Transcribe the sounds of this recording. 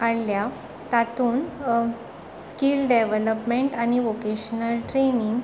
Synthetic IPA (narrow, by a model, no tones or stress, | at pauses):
aɽlja | t̪at̪uːn | skilɖeʋələpmeɳʈañiʋokeɕnəlʈɾeniŋɡ